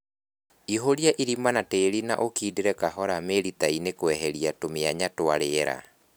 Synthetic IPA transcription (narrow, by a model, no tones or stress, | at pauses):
iɦoɾjaʔiɾimanateːɾina̰ʔokiːdeɾɛkaɦɔɾameɾit̪ainekwɛɦɛɾiatomeaɲatoaɾeɾa̰